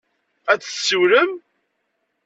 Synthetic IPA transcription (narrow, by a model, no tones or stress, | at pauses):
æt͡sːsːuɾəm